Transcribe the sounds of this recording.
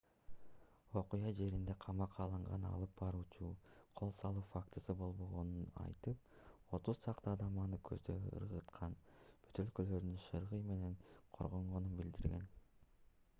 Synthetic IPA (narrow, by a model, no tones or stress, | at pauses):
o̞qujɑd͡ʒe̞ɾind̪e̞qʰɑmɑqʰɑːlˠɯɴʁɑnɑ̰lˠɯp̚bɑɾuːt͡ʃuːqʰo̞lˠsɑlˠuːfakt̪ɯsɯbo̞lˠbo̞ʁo̞nunɑ̰jt̪ɯp̚ | o̞t̪uzt͡ʃ̪ʰɑqt̪ɯːd̪ɑmɑnɯkʰøzd̪ø̰ɡḭɯ̰ɾʁɯt̪qʰɑnb̥yt̪ø̞lkølø̞ɾd̪ynʃɯɾʁɯjme̞ne̞ɴqʰo̞̰ɾʁo̞ɴʁo̞nunbild̪iɾɡʲe̞̰n